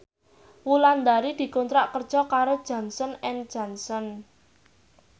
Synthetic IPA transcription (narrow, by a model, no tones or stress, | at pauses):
wuland̪aɾid̪̥i̤kɔnt̪ɾaʔkər̥ʒ̥ɔkaɾod̥ʒ̥a̤nsɔnɛnd̥ʒ̥a̤nsɔn